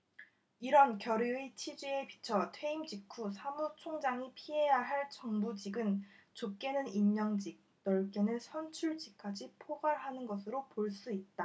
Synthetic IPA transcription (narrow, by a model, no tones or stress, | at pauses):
iɾʌnkjʌɾiit͡ɕʰid͡ʑie̞pi̥t͡ɕʰʌtʰwe̞imd͡ʑikʰusʰamut͡ɕʰoŋd͡ʑaŋipʰiɦe̞jaɦaɭt͡ɕʌŋbud͡ʑiɡɯnt͡ɕok͈e̞nɯniɲɲʌŋd͡ʑik̚nʌɭk͈enɯnsʰʌnt͡ɕʰuɭd͡ʑik̚k͈ad͡ʑipʰoɡaɭɦanɯnɡʌsʰɯɾopoɭs͈uit̚t͈a